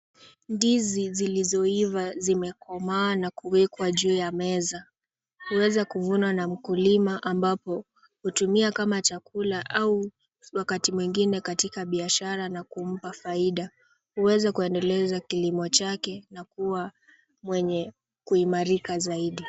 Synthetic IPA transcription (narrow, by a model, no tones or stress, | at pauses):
ndizizilizɔivazimɛkʰɔmawanakuwɛkwaʄuːjamɛza | huwɛzakuvunwanam̩kulimaʔambapɔ | hutumiakamat͡ʃakulaʔau | wakatimwiŋɡinɛkatikaɓiaʃaɾanakum̩pafaiɗa | huwɛzakuɛndɛlɛzakilimɔt͡ʃakɛnakuwa | mwɛɲɛ | kuimaɾikazaiɗi